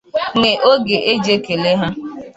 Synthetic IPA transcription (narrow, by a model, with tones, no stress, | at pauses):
ŋe˨ʔo˦ɡe˨ʔe˦d͡ʒe˦ke˨le˦ɦa˦